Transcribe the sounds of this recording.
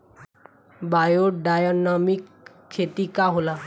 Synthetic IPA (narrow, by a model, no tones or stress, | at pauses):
bajoɖajonamikʰː | et̪ikaɦola